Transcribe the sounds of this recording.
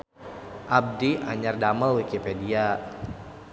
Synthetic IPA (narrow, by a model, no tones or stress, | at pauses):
ʔab̚dia̰ɲardaməlwikipedia